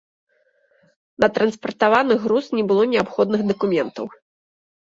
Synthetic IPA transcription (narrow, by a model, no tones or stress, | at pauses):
nɐt̪ɾɐnspɐrt̪avanɨɣɾusnʲɛbɨlˠɔnʲɛapxɔd̪̚nɨxd̪ɐkumʲɛnt̪ɐ̰w